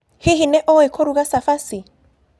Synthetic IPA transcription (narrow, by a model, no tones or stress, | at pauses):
hiɦinɛʔɔɛkʰɔɾuɣasafasi